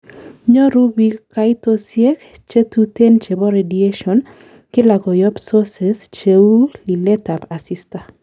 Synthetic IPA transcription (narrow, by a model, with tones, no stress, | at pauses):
ɲɔ˦ɾu˦bikajt̪osje˦k | t͡ʃe˦t̪ut̪e˦nt͡ʃe˨bɔ˦ɾedieʃɔn | kɪ˦la˨ɡɔ˨jɔ˦bsɔse˨st͡ʃeu˦li˨lɛ˦t̪a˨pa˨sist̪a˨